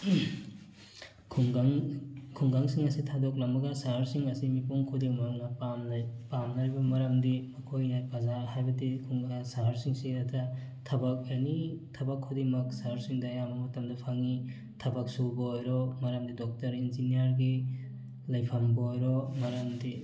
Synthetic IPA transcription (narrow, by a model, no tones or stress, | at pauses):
kʰuŋɡaŋkʰuŋɡaŋsiŋɐsitʰadoklɐmɐɡɐsaɦaɾsiŋɐsimipuŋkʰudiŋmɐŋnɐpampamnaɾibɐmɐɾɐmdimɐkʰojnajpɐzaɾɦajbɐdikʰuŋɡɡasaɦaɾsiŋsidɐtʰɐtʰɐbɐk̚janitʰɐbɐkʰːudiŋmɐk̚saɦaɾsiŋdɐjambɐmɐtɐmdɐpʰaŋi | tʰɐbɐk̚subɐːjɾɔmɐɾɐmdidɔk̚tɐɾinzinijɐɾɡi | lɐjpʰambɐojɾɔmɐɾɐmdi